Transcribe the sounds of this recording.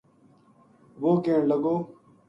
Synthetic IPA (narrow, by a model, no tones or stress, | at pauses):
ʋoːkẽːɳləɡoː